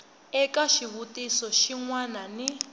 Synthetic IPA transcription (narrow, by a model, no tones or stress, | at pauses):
ɛkaʃiβutʼisɔʃiŋwanani